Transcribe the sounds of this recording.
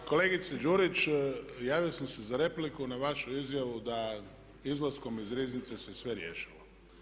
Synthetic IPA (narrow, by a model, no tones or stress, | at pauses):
koleːɡit̪sed͡ʒuɾit͡ʃjaːʋijosamsezaɾe̞plikunaʋaʃuizjaʋud̪a | izlasko̞mizɾiːznit̪sesesʋeɾjeʃilo